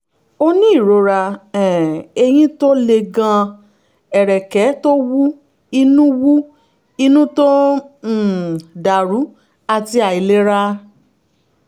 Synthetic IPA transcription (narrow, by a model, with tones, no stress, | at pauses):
o˧nĩ˦i˦˨ɾo˨˧ɾa˧ɛ̃˨e˧j̃ĩ˦to˦le˧ɡã˧ | ɛ˨ɾɛ˨kɛ˨˦to˦wu˦ | i˧nũ˦wu˦ | i˧nũ˦to˦˨ | da˨ɾu˨˦ | a˨ti˧a˨i˨le˦ɾa˦